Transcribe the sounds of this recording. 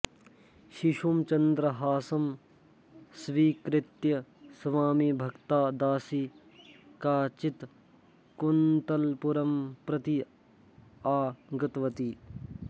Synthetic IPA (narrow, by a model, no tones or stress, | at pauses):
ʃiʃumt͡ʃɐnd̪ɾɐɦaːsɐm | sʋiːkɾɪt̪jɐsʋaːmibʱɐkt̪aːd̪aːsi | kaːt͡ʃit̪ | kunt̪ɐlpuɾɐmpɾɐt̪i | aːɡɐt̪ʋɐt̪iː